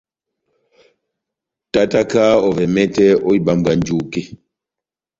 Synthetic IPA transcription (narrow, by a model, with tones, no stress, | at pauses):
ta˦ta˦ka˦ɔ˨vɛ˨mɛ˦tɛ˦ɔ˦i˦˨ɓa˨mba˨nd͡ʒu˨ke˦